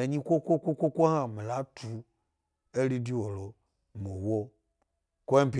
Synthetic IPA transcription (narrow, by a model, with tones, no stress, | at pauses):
e˨ɲĩ˦kʷo˦kʷo˦kʷo˦kʷo˦kʷo˦hã˨me˨la˨˦tʰu˨ | e˦ɾi˦di˦wo˨lo˨ | m˨o˨wo˦ | kʷo˦e˦m˦pi˨